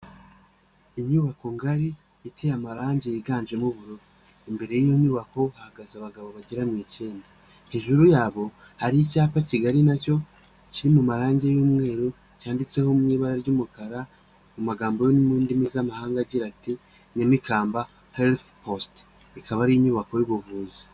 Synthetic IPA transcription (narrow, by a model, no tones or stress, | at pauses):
iɲuβako̞ŋɡaɾi | itʰejamaɾaːɲɟejiɡaːnd͡ʒemuβuɾoɾ | imbe̞ɾe̞jijo̞ɲuβako̞hahaɡazaβaɡaβoβaɟeɾamece̞ːnda | heʒuɾujaːβo̞ | haɾijicaːpaciɡaɾinaco̞ | ciɾimumaɾaːɲɟejuːmŋe̞ːɾu | caːndit͡se̞homuŋiːβaɾaɾɟumukaɾa | mumaɡaːmbojonimiːndimizamahaːŋɡaɟiɾati | ɲemikʰaːmba | helθpost | ikaβaɾiiɲuːβako̞juβuvuːzi̥